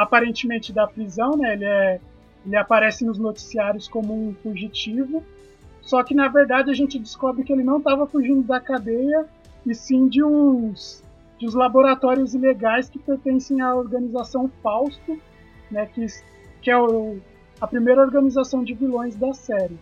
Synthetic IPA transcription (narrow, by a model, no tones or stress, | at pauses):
apaɾẽnt͡ʃɪmẽnt͡ʃɪd̪ɐpɾizɐ̃w̃nɛelɪɛ | elɪapaɾɛsɪnʊznot͡ʃi̥siaɾjʊskõmʊũfuʒit͡ʃivʊ | sɔkɪnɐveɾd̪ad͡ʒɪɐʒẽnt͡ʃɪd͡ʒɪskɔbɾɪkɪelɪnɐ̃w̃t̪avɐfuʒĩnd̪ʊd̪ɐkad̪ejɐ | ɪsĩd͡ʒɪũs | d͡ʒɪũzlaboɾat̪ɔɾiʊzileɡajskɪpeɾt̪ẽsẽj̃ɐoɾɡɐ̃nizasɐ̃w̃fawst̪ʊ | nɛkɪ | kɪɛʊ | ɐpɾimejɾɐoɾɡɐnizasɐ̃w̃d͡ʒɪvilõj̃zd̪ɐsɛɾɪ